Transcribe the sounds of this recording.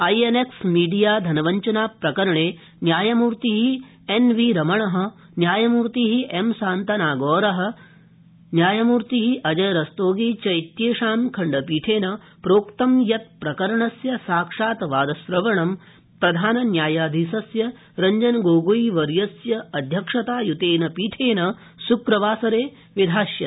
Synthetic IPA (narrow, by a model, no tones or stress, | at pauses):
ɐjeneksmiːɖijaːd̪ʱɐnɐʋɐɲt͡ʃɐnaːpɾɐkɐɾɐɳeː | njaːjɐmuːɾt̪iɦi | enʋiɾɐmɐɳɐɦɐ̆ | njaːjɐmuːɾt̪iɦiʔemsaːnt̪ɐnaːɡɔːɾɐɦɐ̆ | njaːjɐmuːɾt̪iɦiʔɐd͡ʒɐjɾɐst̪oːɡiːt͡ʃɐjt̪jeːʃaːmkʰɐɳɖɐpiːʈʰeːnɐ | pɾoːkt̪ɐmjɐt̪̚pɾɐkɐɾɐɳɐsjɐsaːkʂaːt̪ʋaːd̪ɐsɾɐʋɐɳɐm | pɾɐd̪ʱaːnɐnjaːjaːd̪ʱisɐsjɐ | ɾɐɲd͡ʒɐnɡoːɡoiʋɐɾjɐsjɐɐd̪ʱjɐkʂɐt̪aːjut̪eːnɐpiːʈʰeːnɐ | sukɾɐʋaːsɐɾeː | ʋid̪ʱaːʃjɐt̪